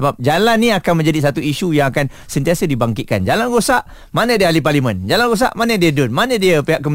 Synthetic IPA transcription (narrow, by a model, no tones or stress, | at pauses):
səbap̚d͡ʒalanːĩakanmə̃ɲd͡ʒadis̬at̪uiʃujaŋakan | sənt̪iasədibaŋkit̪̚ka̰nd͡ʒalanɡosaʔ | manə̃diəaliparlimə̃nd͡ʒalanos̬a̰ʔmanədiədʊnmanədiəpeɦaʔkːəm